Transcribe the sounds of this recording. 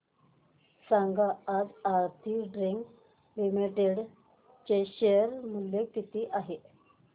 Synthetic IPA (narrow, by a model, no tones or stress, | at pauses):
saŋɡaːd͡zaɾt̪ʰiːɖɾiŋɡ | limiʈeɽ | t͡ɕeɕeəɾmuljekit̪iːʔaɦe